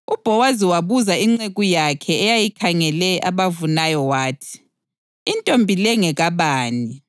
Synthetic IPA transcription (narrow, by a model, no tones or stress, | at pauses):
ub̥ʱɔwaziwaβuzaiŋ͡ǀeɣujakʰɛːjajikʰaŋɛlɛʔaβavunajɔwaːtʰi̥ː | ntʼombʱilɛŋɛɣaβaːni